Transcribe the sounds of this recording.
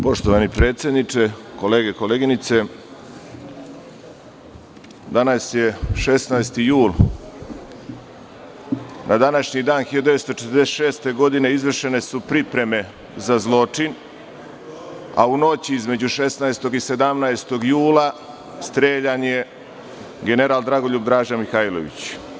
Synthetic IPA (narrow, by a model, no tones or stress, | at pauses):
po̞ʃt̪oʋanipɾe̞ːt̪sje̞d̪nit͡ʂe̞ko̞leːɡeko̞le̞ːɡinit̪se̞ | d̪anasje̞ʃesnajst̪ijuːl | nʔad̪anaʃɲid̪aːnxiod̪eʋest̪otet̪ɾd̪eseʃe̞ːst̪e̞ɡo̞d̪ine̞izʋr̩ʃe̞ne̞supɾipɾe̞me̞ | zazlˠo̞t͡ʂin | a̰uno̞t͡ɕiizme̞d͡ʑuʃe̞snaest̪o̞ɡise̞d̪amnaest̪o̞ɡjuːlˠa | st̪ɾeːʎaɲe̞ | ɡe̞ne̞ɾaːlˠd̪ɾaɡo̞ʎub̚d̪ɾaːʒamixaːjlo̞̰ʋḭt͡ɕ